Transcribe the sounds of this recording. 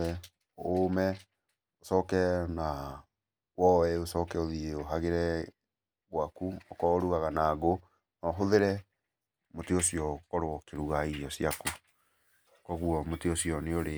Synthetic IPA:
ɛ | omɛ | osɔːkɛna | wɔwɛosɔːkɛoðieoɦaɣeɾɛ | ɣwakuokɔoɾuɣaɣanaːɡo | nɔɦoðeɾɛ | moteosiɔkɔɾowɔkeɾuɣaiɔsjaku | koɣuɔmoteosijɔneoɾe

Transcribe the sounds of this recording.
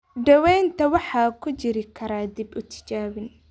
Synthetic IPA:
ɖɐwɛːnt̪ʰɐwɑħɑːkʰʊt͡ʃɪɾɪkʰɐɾaːd̪ibʊt̪ʰɪ̥t͡ʃaːwɪn

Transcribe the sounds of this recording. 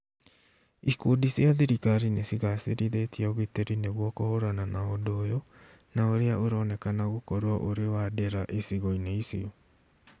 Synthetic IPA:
ikudisiaðiɾikaɾinesiɣaseɾiðetiaoɣiteɾineɣwɔkohoɾananaodojɔ | naoɾeaʔoɾɔːnɛkanaɣokɔɾwɔʔoɾewadeɾaʔesiɣɔineisḭɔ

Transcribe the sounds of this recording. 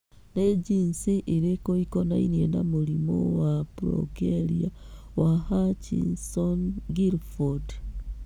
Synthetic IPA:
ned͡ʒinsiʔiɾekoikɔna̰inienamoɾimo̰wapɾɔ̰keɾia | wahat͡ʃḭnsɔnɡiɾfɔd

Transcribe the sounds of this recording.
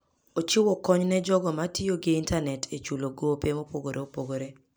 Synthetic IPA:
ot͡ʃɪwɔkɔɲnɛd͡ʒɔɡɔmatʰioɡɪintanɛtʰet͡ʃuloɡopemopoɡoɾʔeopoɡoɾe

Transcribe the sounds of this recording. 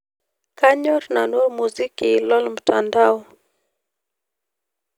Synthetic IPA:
kaɲɔrnanuemuzikiːlɔlm̩tandaɔ

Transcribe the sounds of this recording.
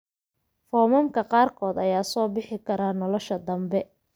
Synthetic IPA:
fɔːmɐmkʰɐqɑːrkʰɔːd̪ɐjaːsɔːbɪħɪkʰɐɾaːnɔlɔʃɐd̪ɐmbɛ

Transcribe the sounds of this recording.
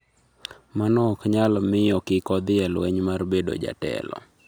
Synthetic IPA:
manɔkɲalmɪjɔkɪkɔd̪ɪɛlwɛɲmarbedo̰d͡ʒa̰tɛ̰lɔ̰

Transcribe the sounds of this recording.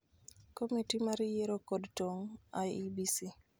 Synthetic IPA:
komitimaɾijeɾokodtoŋajibisi

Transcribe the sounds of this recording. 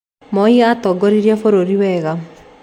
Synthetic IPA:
mɔjiatɔɡɔɾiɾjɛfoɾoɾiwɛɣa

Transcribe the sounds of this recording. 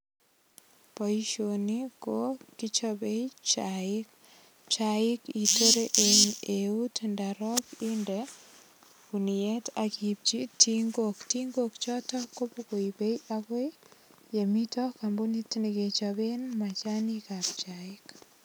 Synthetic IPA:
pɔiʃonikokit͡ʃɔbeit͡ʃaɪk | t͡ʃaɪkitoɾeʔeeutndaɾɔkindɛ | kunietakib̚t͡ʃitiŋɡoktiŋɡokt͡ʃɔtɔkopokoibejʔakwe | jemitɔkambunitniɡet͡ʃabenmat͡ʃanikap̚t͡ʃaɪk

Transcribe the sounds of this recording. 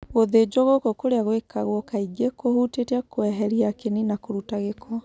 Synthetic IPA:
ɣoðed͡ʒɔɣokokoɾeaɣwekaɣwɔkaiɡekʰohuteteakoɛɦɛɾiakeninakoɾutaɣekʰɔ

